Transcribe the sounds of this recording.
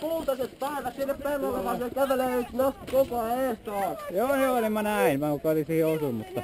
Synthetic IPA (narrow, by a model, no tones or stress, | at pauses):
puːt̪ɑset̪pɑˑiʋæt̪sinːeppelːolːeʋɑsekæʋelenost̪ikokoeːˑst̪oɑˑjoːnonimːɑnæˑinʋɑkokolisiheosummut̪ːɑ